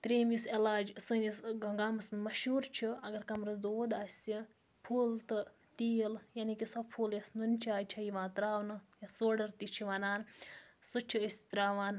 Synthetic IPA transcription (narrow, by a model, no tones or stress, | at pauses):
t̪ɾeːmjuselaːd͡ʒsɨnʲisɡɐŋɡaːmɐsmɐnmɐʃuːɾt͡ʃʰiɐɡɐɾkɐmɾɐzd̪oːd̪aːsʲi | pʰuːlt̪ɨ | t̪iːjljanikisɐpʰuːljɐsnunʲt͡ʃʰaːjt͡ʃʰɐjiʋãːt̪ɾaːʋnɨjɐsoːɖɐɾt̪it͡ʃʰiʋɐnaːnsɨt͡ʃʰiəsʲt̪ɾaːʋaːn